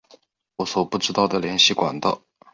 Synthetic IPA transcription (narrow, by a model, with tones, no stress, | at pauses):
wɔ˧˥swɔ˨˩pu˥˩ʈ͡ʂɻ̩˥t̪ɑ˥˩ʊd̪ə˩ljɛ˧˥nɕi˥˩kwa̰˨˩nt̪ɑ˥˩